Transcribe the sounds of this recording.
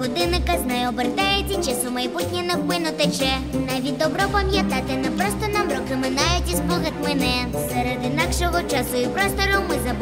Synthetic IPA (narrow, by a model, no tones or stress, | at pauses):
ɣɔd̪ɪnɪkɐznɐjɔbɪrd̪ajɛt͡sʲːɐt͡ʃɪsʊmɐjbut̪ʲnʲinɐpɪnʊt̪ɛt͡ʃɛ | naʋʲid̪ɔbɾɔpɐmʲjat̪at̪ɪnɛpɾɔst̪ɔnamɾɔkɪmɪnajʊtʲispɔɣɐt̪ʲmɛnɛ | sɛɾɛd̪ɪnakʂɔɣɔt͡ʃasʊjipɾɔst̪ɔɾɔwmɪzɐb